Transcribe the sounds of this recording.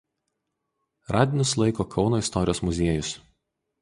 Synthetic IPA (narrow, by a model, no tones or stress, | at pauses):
ɾʔɑːd̪ʲɪnʲʊslˠɐɪkoːkʰɒʊnoːɪst̪ɔɾʲɪjoːsmʊzʲeɛjʊs